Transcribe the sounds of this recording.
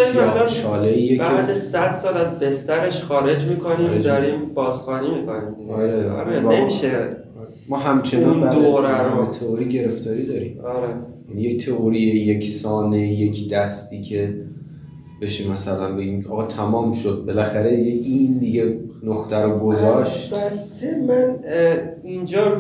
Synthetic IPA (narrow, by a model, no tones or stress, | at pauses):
elamʃɒːleʔijebæd̪esæd̪̥sɒːlæzbe̞st̪æɾe̞ʃxɒːɾe̞d͡ʒmiːkʰoniːmed̪ɒɾiːmbɒːsxɒːnimiːkʰoniːmɒɾeɒ̰ɾenemiʃe | ɾemɒːɦæmt͡ʃʰenɒnbæd̪oɾæet̪ʰeoɾiɟe̞ɾe̞ft̪ʰɒːɾid̪ɒːɾiːmɒɾejænije̞ct̪ʰeoɾiejecʰsɒːne̞je̞cʰd̪̥æst̪iːcʲʰe̞ | b̥e̞ʃiːmːæsælænbe̞ɡiːmkʰeʔɒːɣɒːt̪ʰæmɒːmʃod̪̚be̞læxæɾed̪ijeind̪iɟenoxt̪ʰæɾoɡozɒʃt̪bæt̪ʰemæn | ind͡ʒɒː